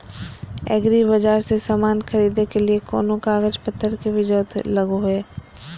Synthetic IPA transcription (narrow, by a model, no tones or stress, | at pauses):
ɛ̰ːɡɾibɐd͡ʒaːɾsesaːmaːnxɐɾiːd̪ekeliekɔ̰ːnõkaːɡəd͡ʒpɐt̪ʰːəɾkeʋɪd͡ʒoːt̪lɐɡoɦeː